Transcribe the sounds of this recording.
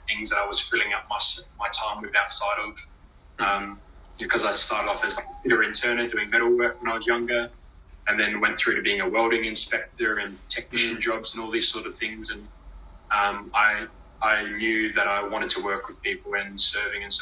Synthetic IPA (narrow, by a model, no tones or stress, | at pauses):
θɪ̃ŋzðɨɾaɪwʌz̥fɪlˠɪ̃ŋaʊt̚mʌsmaɪtʰãɪ̃mwɨðaʊtsaɪɾʌv̥ | ʌ̃mbɨkʰʌzaɪstɑɹɾɨɾɔfɨzlakb̥ɪɾə˞ɨ̃ntʰə˞nɨt̚d̥ʉɪ̃ŋbɛɾəwɜ˞kwə̃ñaɪwʌzjʌ̃ŋɡə˞ | ɨ̃nðɨ̃nwɛ̃nθɹʉɾɨbiɪ̃ŋəwɛlˠɾɪ̃ŋɨ̃nspɛk̚tə˞ɨ̃ntʰɛk̚nɪʃɨ̃n̩d͡ʒɑbz̥̃n̩ɔlˠðiz̥sɔɹɾʌv̥θɪ̃ŋzɨ̃n | ʌ̃maɪ | aɪnjʉðɨɾaɪwɑ̃ɾ̃ɨd̚tʰəwɜ˞kwɨð̥pipl̩ˠɪ̃nsɜ˞vɪ̃ŋɨ̃ns